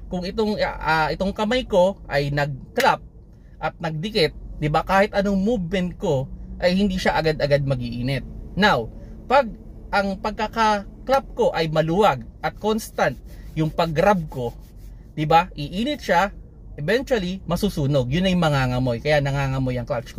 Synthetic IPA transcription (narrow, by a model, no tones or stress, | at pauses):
kʊŋɪt̪oŋaʔɪt̪oŋkɐmajko̞ʔɐjnɐɡ̚klap̚ | ʔɐt̪̚nɐɡ̚d̪ɪkɪt̪̚d̪ɪbakaːhɪt̪ʔɐnoŋmubmɛn̚ko̞ʔɐjhɪnd̪iʃaʔɐɡad̪ɐɡad̪̚mɐɡiʔiːnɛt̪̚nawpaɡ̚ | ʔɐŋpɐɡ̚kɐkaklap̚ko̞ʔɐjmɐluwaɡ̚ʔɐt̪̚ko̞nst̪ant̪̚jʊŋpɐɡɾab̚ko̞ | d̪ɪbaʔɪʔiːnɪt̪̚ʃa | ʔɛbɛnt͡ʃwɐlimɐsusuːno̞ɡ̚jʊnɐjmɐŋaŋɐmo̞jkɐjanɐŋaːŋɐmojɐŋklat͡ʃko